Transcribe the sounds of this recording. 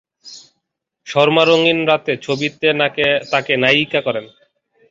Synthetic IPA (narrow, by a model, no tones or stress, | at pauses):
ʃɔɾmaɾoŋinɾat̪et͡ɕʰobit̪et̪akenajikakɔɾen